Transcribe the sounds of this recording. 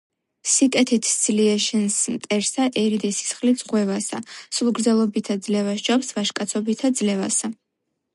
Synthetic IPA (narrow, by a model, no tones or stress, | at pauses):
sikʼɛt̪ʰit̪ʰd̪z̥liɛʃɛnsmt̪ʼɛɾsaʔɛɾid̪ɛsi̥sχlid̪sʼʁwɛvasasulˠɡɾd̪zɛlˠɔbit̪ʰad̪zlɛvasd͡ʒapsvaʃkʼat̪sʰɔbit̪ʰad̪zlɛva̰sa